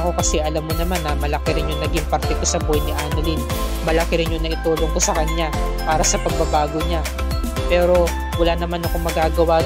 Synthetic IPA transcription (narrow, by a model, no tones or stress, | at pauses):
ko̞kɐsɛʔɐlamːonɐmanːɐmɐlɐkɪɾɪnjʊŋnɐɡɪŋpɐɾt̪ɛk̪osɐbojnɪʔaːnɐlin | mɐlɐkɪɾɪnjʊŋnɐʔɪt̪uːlo̞ŋk̪osɐkɐɲa | paːɾɐsɐpɐɡ̚bɐbaːɡo̞ɲa | pɛːɾo̞ | wɐlanɐmanɐko̞mːɐɡaːɡɐwa